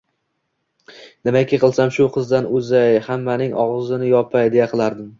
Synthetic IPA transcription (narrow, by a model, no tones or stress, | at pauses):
nɪmakʲɪqɨlˠsamʃʊqʰɨzd̪anʊzajhamːanɪŋʔɒʁzɪnɪjɒpʰajd̪ejaqʰɨlˠaɾd̪ɪm